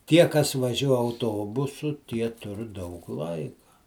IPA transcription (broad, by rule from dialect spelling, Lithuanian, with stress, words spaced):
ˈtʲiɛ kɐs ʋɐˈʒʲuɔ ɐʊˈtoːbʊsʊ ˈtʲiɛ ˈtʊr dɐʊk ˈlˠɐɪkɐ